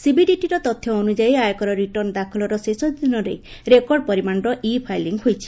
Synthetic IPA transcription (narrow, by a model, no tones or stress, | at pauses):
sibiɖiʈiɾɔt̪ɔt̪ʰːjɔːnud͡ʒaiajɔkɔɾɔɾiʈɔɾnd̪akʰɔlɔɾɔsesɔd̪inɔɾḛɾekɔɾɖ̚pɔɾimanɾɔʔipʰajliŋɡɦojt͡ʃʰi̥